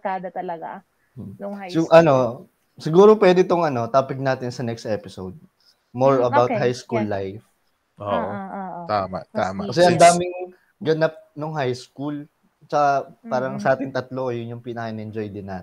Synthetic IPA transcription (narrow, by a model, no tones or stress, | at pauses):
kaːd̪ɐt̪ɐlɐɡa | nʊsɪʔɐno̞ | sɪɡuːɾopwɛːd̪ɪt̪oŋʔɐno̞t̪aːpɪɡ̚naːt̪ɪnsɐnɛkst̪ʔɛpɪsowd̪̚ | moɹɐbaw̪̚hajskulːajf | oʔʔoʔt̪aːma̰t̪aːmakɐsɛʔɐnd̪aːmɪŋ | ɡɐnap̚noŋɦajskul | t͡ʃɐkapaːɾɐŋsɐʔaːt̪ɪŋt̪ɐt̪loʔojʊnjʊŋpinɐkɐʔɪnʔɛnd͡ʒojd̪ɪnːaːt̪ɪ